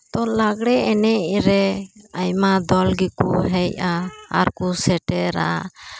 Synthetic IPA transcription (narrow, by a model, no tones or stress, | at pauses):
t̪ɔlaɡɽɛɛnɛʔɾɛajmad̪ɔlɡikuɦɛjaa̰ɾkusɛʈɛɾa̰